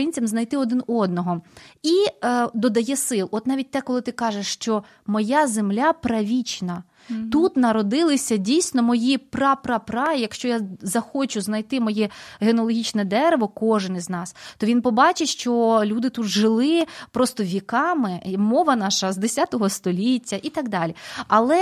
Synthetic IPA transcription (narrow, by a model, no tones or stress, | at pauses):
ɪnʲt͡sʲɐmznɐjt̪ɪɔd̪ɪnɔd̪̚nɔɦɔid̪ɔd̪ɐjɛsɪlˠɔt̪nɑʋʲit̚ʲt̪ɛkɔlˠɪt̪ɪkɑʒeʂːt͡ʃɔ | mɔjazemlʲapɾɐʋʲit͡ʃnɐ | t̪ut̪nɐɾɔd̪ɪlˠɪsʲɐdʲijsʲnɔmɔjiprɑpɾɑpɾɑjɐkʃt͡ʃɔjazɐxɔt͡ʃʊznɐjt̪ɪmɔjɛɦenɔlˠɔɦʲit͡ʃnɛd̪ɛɾeʋɔkɔʒɪniznɑst̪ɔʋʲinpɔbɑt͡ʃɪʃt͡ʃɔlʲud̪ɪt̪ut̪ʒɪlˠɪpɾɔst̪ɔʋʲikɑmɪmɔʋɐnɑʃɐzd̪esʲat̪ɔɦɔst̪ɔlʲitʲːɐʔit̪ɑɡd̪ɑlʲiɐlˠɛ